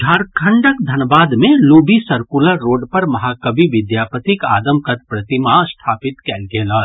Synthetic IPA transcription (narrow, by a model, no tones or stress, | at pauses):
d͡ʒʱaːɾkʰə̃ɳɖəkd̪ʱɐnbaːd̪mẽloːbisɐɾkʊləɾːoːɖpɐɾmɐɦaːkɐbiʋɪd̪jaːpət̪ɪka̰ːd̪əmkɐt̪̚pɾɐt̪imast̪ʰaːpɪt̪kɛːlɡeːləːɾ